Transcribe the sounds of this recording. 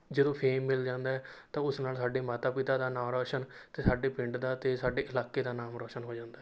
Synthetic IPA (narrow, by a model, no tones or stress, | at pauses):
d͡ʒəd̪õːpʰeːmːɪld͡ʒãːnd̪aːɛːt̪ãːʊsnaːlsaːɖeːmaːt̪aːpɪt̪aːd̪aːnaːɾɔːʃənt̪eːsaːɖeːpɪ̃ɳɖd̪aːt̪eːsaːɖeːʔəlaːkeːd̪aːnaːmɾɔːʃənɦoːd͡ʒãːnd̪aː